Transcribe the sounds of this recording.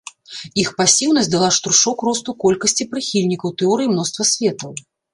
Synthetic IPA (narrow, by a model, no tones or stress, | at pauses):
ixpasʲiwnɐsʲtʲd̪alˠaʂt̪ɾuʂɔkrɔst̪ukɔlʲkɐsʲt͡sʲipɾɨxʲilʲnʲikɐwt̪ɛɔɾɨjimnɔst̪vɐsʲvʲɛt̪ɐw